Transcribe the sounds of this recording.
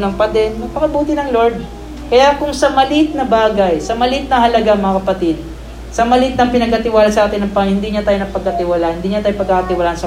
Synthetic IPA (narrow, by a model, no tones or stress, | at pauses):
nɐŋpɐd̪ɛnmɐpɐkɐbuːt̪ɪnɐŋloɹd̪̚ | kɐjakʊŋsɐmɐlit̪̚nɐbaːɡɐjsɐmɐlit̪̚nɐɦɐlɐɡaɐŋmɐŋakɐpɐt̪id̪̚ | sɐmɐlit̪̚nɐŋpɪnɐɡ̚ɐt̪ɪwaːlɐsɐʔaːt̪ɪnːɐŋpɐhɪnd̪iɲɐt̪aːjonɐpɐɡ̚ɐt̪ɪwalahɪnd̪iːɲat̪aːjopɐɡ̚kakɐt̪ɪwɐlaːʔɐnsɐ